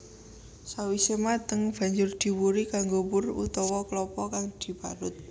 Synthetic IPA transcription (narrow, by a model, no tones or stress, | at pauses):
sawisəmat̪əŋb̥a̤ɲd͡ʒʊrd̪̥i̤wuɾikaŋɡobʊrṵt̪ɔwɔklɔpɔkaŋd̪̥i̤paɾʊt̪̚